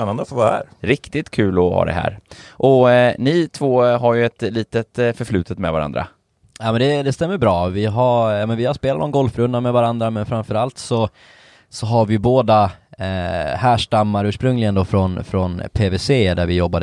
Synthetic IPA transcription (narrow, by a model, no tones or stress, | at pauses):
ɛnːand̪əfoɾvaːɾæ̰ːɾɾɪkt̪ɪt̪kʰʉ̟ːlɔhɑ̰ːd̪ɛ̰ɦæ̰ːɾʔɔnɪt̪ʰvoːɦaɾjɵɛt̪liːt̪ət̪fœɾfɭʉ̟ːt̪ʰət̪mɛvaɾa̰nd̪ɾa̰ | jaːmɛnd̪ɛd̪ɛst̪ɛmːəɾbɾɑːvɪɦaɾjɑmɛnvɪhaɾspeːlat̪nɔnɡɔlfɾɵnd̪amɛvaɾand̪ɾamɛnfɾamfœɾalt̪sɔ | sɔɦaɾvɪjɵboːd̪a | hæːʂʈamːaɾʉ̟ːʂpɾɵŋlɪɡənd̪ɔfɾɔnfɾɔnpʰevɛseːd̪æɾvɪjɔbːad̪ə